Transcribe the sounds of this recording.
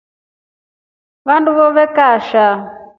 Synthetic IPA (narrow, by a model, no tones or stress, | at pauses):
βanduβɔβɛkaʃa